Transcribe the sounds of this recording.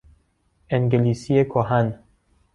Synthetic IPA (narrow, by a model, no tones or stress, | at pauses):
eŋɡelisiekʰoɦan